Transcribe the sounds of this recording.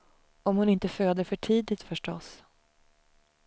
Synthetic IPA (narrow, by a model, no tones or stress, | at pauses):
ɔmhʊnɪnt̪əføːd̪əfœʈʰiːd̪ɪt̪fœʂʈɔs